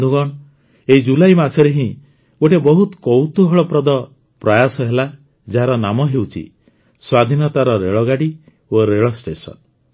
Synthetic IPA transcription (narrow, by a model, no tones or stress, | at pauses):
d̪ʱuɡɔɳ | eid͡ʒulajmasʰɔɾeɦĩ | oʈebɔɦut̪kɔwt̪uɦɔɭɔpɾɔd̪ɔ | pɾɔjasɔɦela | d͡ʒaɦaɾɔnamɔɦewt͡ʃʰḭ | swad̪ʱinɔt̪aɾɔɾeɭɔɡaɽi | oɾeɭɔsʈesɔ̰n